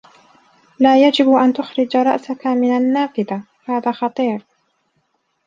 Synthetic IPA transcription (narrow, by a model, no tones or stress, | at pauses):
laːjad͡ʒɪbʔant̪ʊxɾɪd͡ʒɾˤɑ̰ʔsakamɪnanːaːfɪða | haːðaːxɑt̪ˤiːɾ